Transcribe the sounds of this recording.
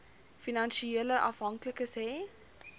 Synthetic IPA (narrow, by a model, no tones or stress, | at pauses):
finanʃieləʔɐfɦɐŋkləkəsɛː